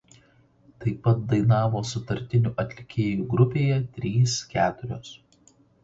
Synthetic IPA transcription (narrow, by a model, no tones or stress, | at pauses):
t̪ɐɪpːɐt̪̚d̪ɐɪnɑːʋoːsʊt̪ɐɾʲt̪ʲɪnʲuːʔɐt̪ʲlʲɪkʲeːjuːɡɾʊpʲeːjɛt̪ʲɾʲiːskʲæːt̪ʊɾʲoːs